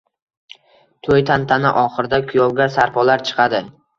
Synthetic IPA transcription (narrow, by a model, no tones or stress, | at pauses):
t̪ʰojt̪ʰant̪ʰanɪ̰ʔɒχɨɾɪd̪akʰʊjɒlˠɡʲasaɾpʰɒlaɾt͡ʃʰɨ̥qʰɑd̪ɪ